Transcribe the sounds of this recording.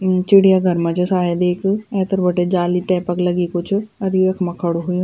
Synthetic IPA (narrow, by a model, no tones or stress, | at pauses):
t͡ʃɪɽijaːɡʱəɾmə̃t͡ʃsaːed̪eːɪkɛːt̪əɾbəɖeːd͡ʒaːliːʈɛːpəkləɡiːkʊt͡ʃʰəd̪iekʰməkʰːəɽuɦoĩ